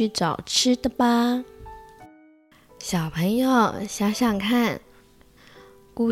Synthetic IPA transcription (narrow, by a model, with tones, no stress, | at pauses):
y˥˩ʈ͡ʂɑ˨˩ʊʈ͡ʂʰɻ̩˥d̪ə˨pa˧ | ɕjɑ˨˩ʊpʰə˧˥ŋjo˨˩ʊɕja˥ɕjɑ˥˩ŋkʰa˥˩n | ku˥˩